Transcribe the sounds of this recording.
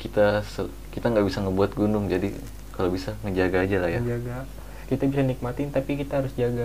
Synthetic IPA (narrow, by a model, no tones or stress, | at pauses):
kit̪asə | kit̪aŋɡaʔbisaŋəbuat̪̚ɡunʊŋd͡ʒadi | kalobisaŋəd͡ʒaɡaːd͡ʒalahjad͡ʒaɡa | kit̪abisanik̚mat̪ɪnt̪apikit̪aɦaɾʊsd͡ʒaɡa